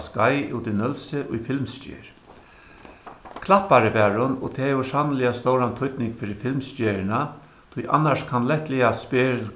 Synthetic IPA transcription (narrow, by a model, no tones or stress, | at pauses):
skajṵwt̪ɪnœlsɪʔʊjfɪlmscḛːɹ | kʰlapːaɾəʋɛːɹʊnɔ̰t̪ʰɛːɛʊsanəlɪjast̪oːwɾant̪ʰʊjt̪nɪŋkfɪɾɪfɪlmst͡ʃeːɹɪna | t̪ʰʊjʔa̰nːaʂkʰanlɛht̪lɪjaspɪː